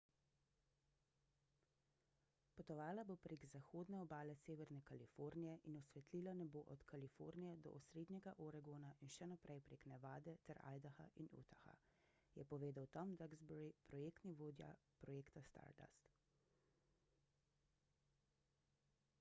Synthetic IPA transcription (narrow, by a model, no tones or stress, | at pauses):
pɔt̪ɔʋaːlabopɾeːɡzaxoːd̪nɛɔbaːlɛseːʋɛɾnɛkalifoːɾnijɛʔinɔsʋɛt̪liːlanɛboʔɔt̪kalifo̰ɾnijɛd̪ɔ̰ʔɔsɾeːd̪nɲɛɡaʔɔɾaɡonaʔinʃɛnapɾʔɛjpɾeknɛʋaːd̪ɛt̪ɛɾa̰jd̪axa̰ʔinṵt̪axa̰ | jɛpɔʋeːd̪awt̪ɔmd̪aɡzbɔɾipɾɔjeːkt̪niʋoːd̪ja̰pɾɔjeːkt̪ast̪a̰ɾd̪a̰st̪